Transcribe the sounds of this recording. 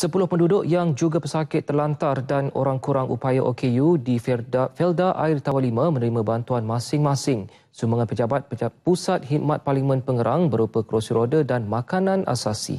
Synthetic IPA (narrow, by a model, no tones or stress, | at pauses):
səpulʊhpəndudʊʔjaŋd͡ʒuɡapəsakɪt̪ːərlant̪ardano̰ɾaŋkuɾaŋʔṵpajaʔokʰejudiffɛldaʔaɪrt̪awanlimə̃mə̃nəɾimãbant̪uanmãsɪŋmãsɪŋ | sumaŋanpəd͡ʒabat̪̚pusat̪̚hiʔmat̪̚parlimə̃npəŋəɾʔaŋbəɾupəkəɾosiɾodədanmãkanãnʔa̰sasḭ